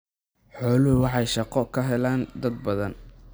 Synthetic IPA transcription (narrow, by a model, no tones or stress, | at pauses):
ħɔːlʊɦʊwɑħɑjʃɑqɔkʰɐɦɛlaːnd̪ɐd̪̚bɐðɐn